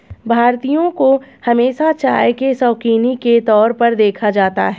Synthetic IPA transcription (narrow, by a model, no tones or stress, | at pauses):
bʱaːɾt̪ijõkohɐmeːʃat͡ʃa̰ːjkesɔːkiːniket̪ɔːɾpɐɾd̪eːkʰad͡ʒaːt̪a̰ɦɛ